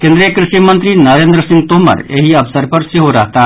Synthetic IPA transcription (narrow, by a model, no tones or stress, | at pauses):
kẽnd̪ɾijəkɾɪʃimənt̪ɾinɐɾeːnd̪ɾəsɪ̃ŋɡt̪oɦmɐ̰ɾḛɦiɐpsəɾpɐɾseɦoɾɐɦt̪a